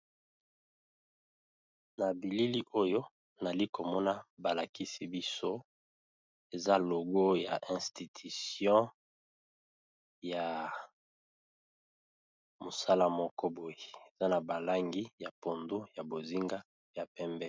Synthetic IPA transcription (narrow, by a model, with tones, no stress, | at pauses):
na˨bi˨li˦li˦ʔo˦jo˦ | na˨li˦ko˨mɔ˦na˦ba˨la˨ki˦si˦bi˦so˦ | e˨za˦lo˨ɡo˦ja̰˨ʔɛ̃˨sti˨tʰi˨sjɔ̃˦ | ja˨ | mo˨sa˦la˦mɔ˦kɔ˦bo˨je˨e˨za˦na˨ba˨la˦ŋɡi˦ja˨po˨ndo˦ja˨bo˨zi˦ŋɡa˦ | ja˨pɛ˦mbɛ˦